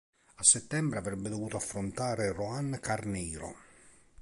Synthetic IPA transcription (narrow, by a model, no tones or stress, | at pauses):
asːɛt̪ːɛmbɾeavɾɛbːed̪ovuːt̪oafːɾont̪aːɾeroankarniːɾo̰